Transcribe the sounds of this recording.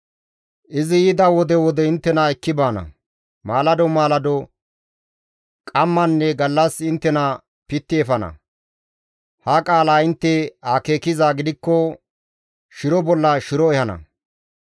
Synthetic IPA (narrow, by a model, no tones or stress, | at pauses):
ʔɪzɪjɪd̪ɐwɔd̪ɛwɔd̪ɛɪnt̪ːɛnɐɛkːɪbaːnɐ̰ | maːlɐd̪ɔmaːlɐd̪ɔ | kʼɐmːɐnːɛɡɐlːɐsɪnt̪ːɛnɐ | pɪt̪ːɪɛfɐnɐ̰ | hɐkʼaːlaːɪnt̪ːɛake̞ːkɪzaːɡɪd̪ɪkːɔ | ʃɪɾɔbɔlːɐʃɪɾɔɛhɐnɐ̰